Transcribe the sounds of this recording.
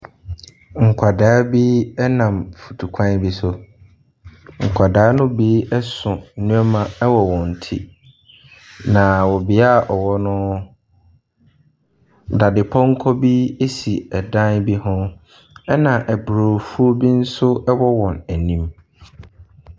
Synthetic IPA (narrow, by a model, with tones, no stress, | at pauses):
ŋ̩˨kʷʰa˨daː˦bi˦ɛ˦nã˨mfu̥˨tʰu˨kʷʰã˦n˦bi˦sʊ˦ | ŋ̩˨kʷʰa˨daː˨˦nʊ̃˦bi˦ɛ˦sʊ̃˨nũ˦ɔ˦mã˨˦wɔ˨wɔ̃˨n̩˨tʰḭ˦ | nã˨wɔ˨bɪ˨˦a˦˨ʔɔ˨wɔ˦nʊ̃˦ | da˨dɪ˨pʰɔ̃˦ŋ̩˦kʰɔ˦bi˦e˦si˨ɛ˨dã˦nbi˦hʊ̃˦ | ɛ˦nã˨ʔæ˨bɾo˨fu˦o˦bi˦n̩˦sʊ˦ɛ˦wɔ˦wɔ̃˨næ˨nĩ˦m